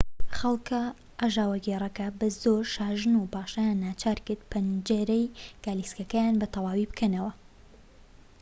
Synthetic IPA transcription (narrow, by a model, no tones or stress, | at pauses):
xɐlˠkɐ | ʔaʒaːwɐɡeːrˤɐkɐbɐzoːɾʃaːʒɨnupaːʃajanːaːt͡ʃʰaːɾkɨɾd̪̚pʰɐnd͡ʒeɾɛjɡ̥aːliskɐkɐjaːnbɐt̪ʰɐwaːwibɨkʰɐnɐwɐ